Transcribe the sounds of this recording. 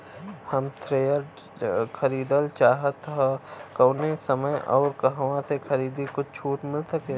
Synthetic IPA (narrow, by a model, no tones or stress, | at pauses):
hɐmt̪ʰɾeːjəɾ | kʰɐɾiːd̪əlt͡ʃaːɦət̪ɦakɐːnesɐməjʔɔ̰ːɾkɐɦʋãsexʰɐɾiːd̪ikʊt͡ʃʰt͡ʃʰuːʈmɪlsɐkeː